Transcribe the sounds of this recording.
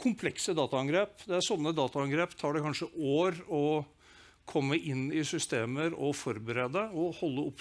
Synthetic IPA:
kʰʊmpʰlɛksəd̪ɑːt̪ɑɑŋɡɾeːpd̪ɛæɾsɔnːəd̪ɑːt̪ɑɑŋɡɾeːpt̪ʰɑːɖɛkʰɑnʂəʔoːɾɔ | kʰɔmːəʔɪnːɪsʏst̪eːməɾɔ̰fɔɾbəɾeːd̪əɔhɔlːəʊp

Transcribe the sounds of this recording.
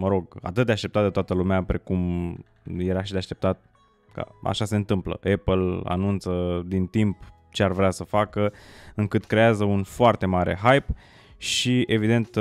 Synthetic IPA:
məɾo̞ɡa̰t̪ɨt̪̚d̪eaʃt̪e̞p̚t̪at̪d̪et̪oat̪əlumeapɾe̞kum | je̞ɾaʃid̪eaʃt̪e̞pt̪at̪̚ | ka̰a̰ʃase̞ɨnt̪ɨmplə̰ʔepəla̰nunt̪səd̪int̪imp | t͡ʃe̞arvɾeasəfakəɨŋkɨt̪kɾe̞azəunfoart̪e̞maɾe̞̰ɦajp | ʃie̞vid̪e̞nt̪

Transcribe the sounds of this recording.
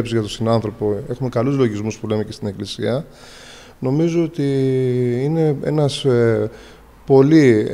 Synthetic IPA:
pszʝɐt̪ost̪inɐnθɾo̞poe̞xume̞kɐluzlo̞ʝizmuspule̞me̞cest̪ineklisiɐ | no̞mizoot̪i | ine̞e̞̰nɐs | po̞li

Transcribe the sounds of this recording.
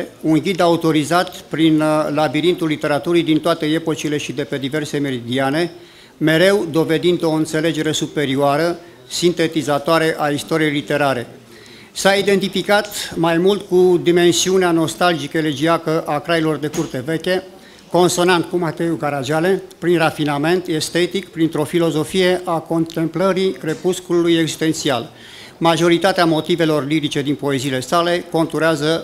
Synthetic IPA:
unɡʲid̪aut̪o̞ɾizat̪pɾinlabiɾint̪ulːit̪e̞ɾat̪uɾid̪int̪oat̪e̞e̞po̞t͡ʃile̞ʃid̪e̞pe̞d̪ive̞rse̞me̞ɾid̪iane̞ | me̞ɾe̞wd̪o̞ve̞d̪ind̪o̞ɨnt̪se̞le̞d͡ʒe̞ɾe̞supe̞ɾioaɾə | sint̪e̞t̪izat̪oaɾe̞ʔaist̪o̞ɾie̞jlit̪e̞ɾaɾe̞ | said̪e̞nt̪ifikat̪majmult̪kud̪ime̞nsiuneano̞st̪ald͡ʒikəeled͡ʒiakəʔakɾailo̞rd̪e̞kurt̪e̞ve̞kʲe̞ | ko̞nso̞nant̪kumat̪e̞uɡaɾaʒale̞pɾinrafiname̞nt̪e̞st̪e̞t̪ikpɾint̪ɾo̞filo̞zo̞fije̞ʔakont̪e̞mpləɾire̞puskululujeɡzist̪ent̪sia̰l | maʒo̞ɾit̪at̪eamo̞t̪ive̞lo̞rliɾit͡ʃe̞d̪inpo̞e̞ziːle̞sale̞ko̞nt̪uɾeazə

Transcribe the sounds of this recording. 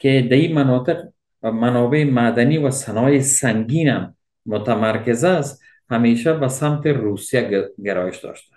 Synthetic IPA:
kɪd̪aimanɒːt̪ɪq | manɒbeːmad̪anivasanɒːjesaŋɡinamː | ʊt̪amaɾkɪzast̪ | hameːʃabasamt̪eɾusijaɡeɾɔjɪʃd̪ɔ̰ʃt̪ḁ

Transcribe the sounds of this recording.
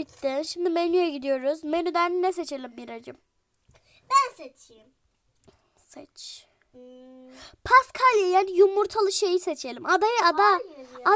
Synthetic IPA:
it̪ːiʃimd̪imenyjɛɟid̪ijo̞ɾuzmenyd̪ænnɛse̞t͡ʃʰe̞lʲimbiɾad͡ʒɯm | bænset͡ʃʰiim | sɛt͡ʃ | pʰaskʰalʲjejænjumuɾt̪ʰalˠɯʃe̞jise̞t͡ʃʰe̞lʲimad̪ajɯad̪aa

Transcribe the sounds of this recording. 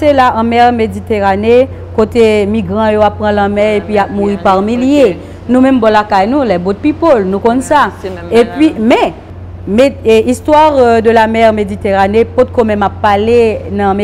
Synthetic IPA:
selaʔɐ̃mɛʁmedit̪eʁane | kot̪emiɡʁɑ̃joapːʁɑ̃lãmɛ̃epɥiap̚muʁipaʁmilje | nũmɛ̃mbɔlakajnũlɛbot̪̚pipolnũkɔ̃nsaepɥimɛ̃ | meist̪waʁd̪əlamɛʁmedit̪eʁanepot̪̚komɛ̃mapːalenɐ̃me

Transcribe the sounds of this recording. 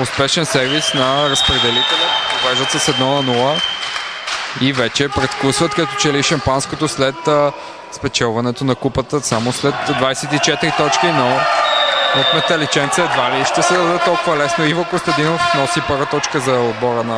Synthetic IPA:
ʊspɛʃɛnsɛɾvisnɐɾəspɾɛd̪ɛlit̪ɛlʲɛovɛzət̪səsɛd̪nɔnɐnulˠə | ivɛt͡ʃɛpɾɛt̪klˠusvət̪kɐt̪ɔ̥t͡ʃɛliʃɐmpanskot̪oslɛt̪ | spɛt͡ʃɛlˠvɐnɛt̪onɐkupət̪əsamoslɛt̪dvajsɛt̪it͡ʃɛt̪ɾit̪ɔt͡ʃkinɔ | ot̪mɛt̪ɐlit͡ʃɛnt̪sɛd̪valiʃt̪ɛsɛd̪ɐd̪ɛt̪ɔlˠkʊvɐlɛsnoivokʊst̪ɐd̪inofnɔsipəɾvət̪ɔt͡ʃkəzɐod̪̚bɔɾənɐ

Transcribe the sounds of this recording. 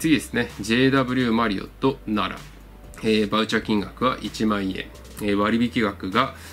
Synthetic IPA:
t͡sɨɡʲid̪e̞sɨne̞d͡ʑe̞ːd̪abɯ̟ɾʲɯːmaɾʲio̞̰t̪o̞naɾa̰ | eːbaɯ̟t͡ɕakʲĩŋɡakɯ̟βa̰ʔit͡ɕimãɰ̃iḛ̃ | eβaɾʲibʲikʲiɡakɯ̟ɡa

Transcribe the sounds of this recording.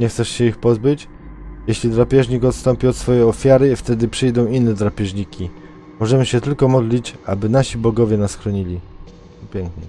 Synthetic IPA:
ɲɛxt̪sɛʂɕɛixpɔzbɘt͡ɕ | jeɕlʲid̪ɾapʲjɛʐɲikɔt̪st̪ɔmpʲiɔt̪sfɔjɛjɔfʲjaɾɘift̪ɛd̪ɘpʂɘjd̪ɔ̃w̃inːɛd̪ɾapʲɛʐɲikʲi | mɔʐɛmɘɕɛt̪ɘlkɔmɔd̪lʲit͡ɕa̰bɘnaɕibɔɡɔvʲjɛnasxɾɔɲilʲi | pʲjɛŋkɲɛ̰

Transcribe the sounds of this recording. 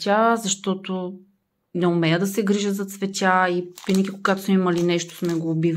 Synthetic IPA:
tʲazɐʃt̪ɔt̪o | nɛomɛjəd̪ɐsɛɡɾiʒəzɐt̪svɛt̪ʲaivinəɡʲikoɡat̪o̥smɛimɐlinɛʃt̪o̥smɛɡoːbiv

